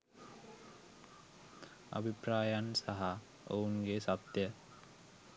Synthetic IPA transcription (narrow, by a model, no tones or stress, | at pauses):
a̰bʱipɾaːjansaɦa | o̰unɡeːsapt̪jə